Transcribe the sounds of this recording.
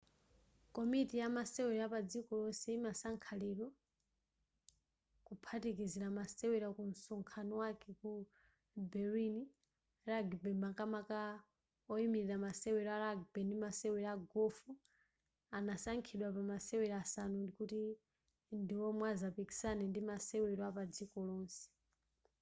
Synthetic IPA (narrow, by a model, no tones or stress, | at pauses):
kɔmitijamasɛwɛɾapad͡zikɔlɔsɛimasaŋkʰaliɾwɔ | kupʰatikiziɾamasɛwɛɾakun̩sɔŋkʰanɔwakɛku | bɛɾini | ɾaɡbɛmbakamaka | ɔimiɾiɾamasɛwɛɾɔaɾaɡbɛnimasɛwɛɾaɡɔfu | anasaŋkʰiɗwapamasɛwɛɾasanundikuti | ndiwɔmwazapiki̥sanɛndimasɛwɛɾɔapad͡zikɔlɔːnsɛ̥